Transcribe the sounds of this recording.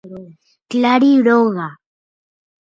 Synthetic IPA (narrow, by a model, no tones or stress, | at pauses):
klaɾiɾoɣa